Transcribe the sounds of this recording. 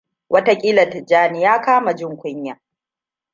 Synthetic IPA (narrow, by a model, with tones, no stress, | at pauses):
wʔɐ˦ta˦kʲʼiː˦lɐ˨td͡ʒaː˦nɪ˦jaː˦kaː˦ma˨d͡ʒɪ˦ŋkʷʊ˦ɲjaː˨